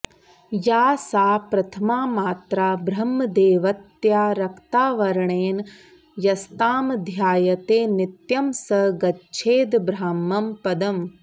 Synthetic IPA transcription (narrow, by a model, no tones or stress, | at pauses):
jaːsaːpɾɐt̪ʰɐmaːmaːt̪ɾaːbɾɐmːɐd̪eːʋɐt̪jaːɾɐkt̪aːʋɐɾɐɳeːn | jɐst̪aːmd̪ʱjaːjɐt̪eːnit̪jɐmsɐɡɐtːt͡ʃʰeːd̪bɾaːmɐmpɐd̪ɐm